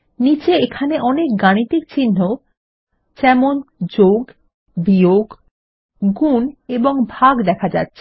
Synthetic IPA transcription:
nit͡ɕeekʰaneʔɔnek̚ɡañit̪ik̚t͡ɕinːo | d͡ʑɛmond͡ʑoɡ | bioɡ | ɡuneboŋbʱaɡd̪ɛkʰad͡ʑa̰tːɕʰe̥

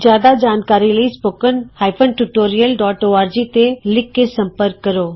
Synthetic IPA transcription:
d͡ʒjaːd̪ad͡ʒaːnkaːɾiləispoːkənhaːjpʰənʈuʈoːɾijəlɖɔːʈoːaːɾd͡ʒit̪elɪkːesə̃mpəɾkːəɾoː

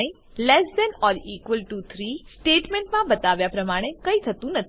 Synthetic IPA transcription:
e | lɛsbɛnɔɾikʋəlʈut̪ʰɾisʈeʈmẽɳʈmãbət̪aʋjapɾəmaɽ̃ekəit̪ʰət̪ũnət̪ʰ

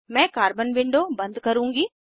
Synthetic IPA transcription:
mɛ̃ːkaːɾbənʋɪ̃ɳɖobɐ̃nd̪kɐɾũːŋɡiː

